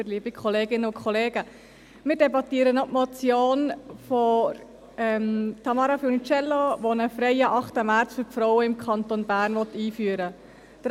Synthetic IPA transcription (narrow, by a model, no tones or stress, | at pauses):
əɾliəbikʰɔleːɡɪnːəʊkʰɔleːɡ̥ə | mɪːɾdɛbɑt̪iːəɾənɔtmɔt͡sjoːnfɔ | ɛmtʰɑmɑːɾɑfinit͡ʃɛlːoʋonəfɾɛɪəʔɑχtəmæɾt͡sfʏɾpfɾɔwəɪmkʰɑnt̪onbæːɾnʋɔt̪ːiːfyːəɾə | d̥əɾ